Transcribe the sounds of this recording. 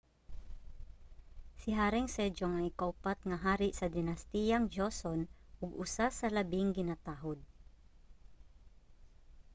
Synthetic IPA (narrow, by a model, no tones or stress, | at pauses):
sɪɦaːɾɛŋsɛd͡ʒoŋɐŋɪkawpat̪̚ŋɐɦaːɾɪʔsɐd̪ɪnɐst̪ijɐŋd͡ʒoson | ʔʊɡʊsasɐlɐbɪŋɡɪnaːt̪aːɦod̪̚